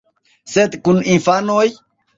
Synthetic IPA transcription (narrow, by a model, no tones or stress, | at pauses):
sed̪kuninfanoj